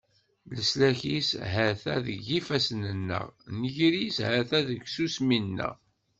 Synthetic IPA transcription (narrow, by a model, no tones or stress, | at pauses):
ləslæçisɦæθæðəʝifæsnənːə̰ʁnəʝɾishæθæðəɡsusminːə̰